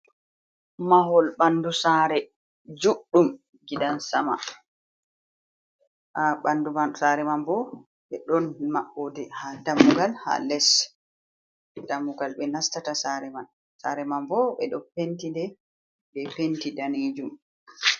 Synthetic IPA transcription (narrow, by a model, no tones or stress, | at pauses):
maɦɔlɓandusaːɾɛ | d͡ʒuɗːum | ɡidansama̰ | ʔaɓandumasaɾɛmambɔ | ɓɛɗɔnmaɓːodɛhadamuɡalha̰lɛs | d̥amːuɡalɓɛnastatasaɾɛman | saɾɛmambɔɓɛ̰ɗɔpentindɛ | bɛpentidaneːd͡ʒum